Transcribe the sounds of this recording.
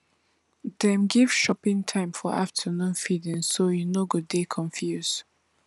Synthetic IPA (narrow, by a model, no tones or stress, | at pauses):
dɛ̃mɡiv̥ʃɔpɪ̃ŋtʰãɪ̃mfɔaftʰənũnfidĩŋsːojunoɡuddekʰɔ̃ɱfjuz̥